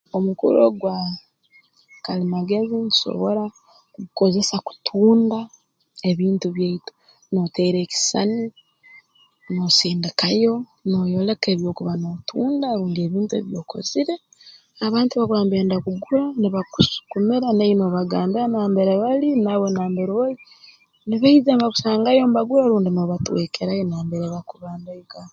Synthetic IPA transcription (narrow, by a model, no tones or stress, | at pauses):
omukṵɾo̰ɡwa | kalimaɡeziniʃo̰βo̞ɾa | kuβuko̞ze̞saku̥tʰuːnda | e̞βiːntuβjaito̥ | noteiɾe̞ːki̥sa̰ni | nosiːndikajo̞nojo̞le̞keβjo̞ːkuβanotʰuːndaɾuːŋɡeːβiːntuḛβjo̞ːkʰo̞̰ziɾe̞ | aβaːntuβaβaːmbeːndakuɡuɾaniβaku̥su̥kumiɾaneinoβaɡaːmbiɾanaːmbeɾeβalinaβo̞naːmbeɾoli | niβaizemβaku̥saːŋɡajo̞mbaɡuɾaɾuːndinoβatweːkʰeɾajonaːmbeɾeβakuβaːndeiɡa